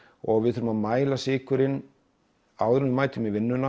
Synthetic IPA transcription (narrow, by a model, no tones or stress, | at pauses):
ɔɣvɪðθʏɾʏmaðmaːjlasɪːkʏɾɪn | awðɛɾnʏmaːjt̪ɪmivɪnːʏna